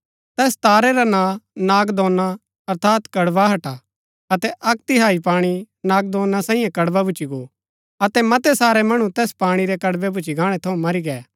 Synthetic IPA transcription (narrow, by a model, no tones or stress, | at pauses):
t̪ɛːst̪aːɾɛɾanãnaːɡd̪õːnːa | ɐɾt̪ʰaːt̪kɐɽbaɦɐʈa | ɐt̪ɛʔɐkt̪iɦaːipaːɽ̃i | naːɡ̚d̪õːnːasãːĩjãkɐɽbabʊt͡ʃiɡo | ɐt̪ɛmɐt̪ɛsaːɾɛmɐɽ̃ũt̪ɛːspaːɽ̃iɾɛkɐɽbɛbʱʊt͡ʃiɡaːɽ̃ɛt̪ʰɐũmɐɾiɡɛː